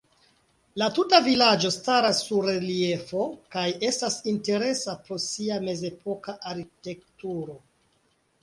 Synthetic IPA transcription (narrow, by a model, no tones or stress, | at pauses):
latutavilad͡ʒo̞staɾasːuɾelie̞fo̞kaje̞stasinte̞ɾe̞sapɾo̞siame̞ze̞po̞kaʔaɾkite̞k̚tuɾo̞